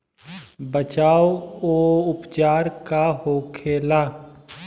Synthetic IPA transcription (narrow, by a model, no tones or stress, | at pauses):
bət͡ʃaːooːʊpt͡ʃaːɾkaɦoːkʰeːlaː